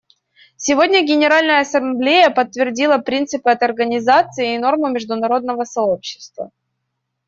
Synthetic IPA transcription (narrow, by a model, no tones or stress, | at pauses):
sʲɪvo̞dʲnʲəɡʲɪnʲɪɾalʲnəjəsəɾəmblʲejəpət̪ːvʲɪrdʲilˠəpɾʲint̪sɨpɨɐt̪ɐrɡənʲɪzat̪sɨɪːno̞rmʊmʲɪʐd̪ʊnɐɾo̞d̪nəvəsɐopɕːɪ̥st̪və̰